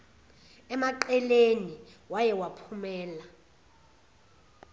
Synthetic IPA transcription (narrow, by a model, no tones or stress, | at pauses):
ɛmaǃɛleniwajɛwapʰumɛːla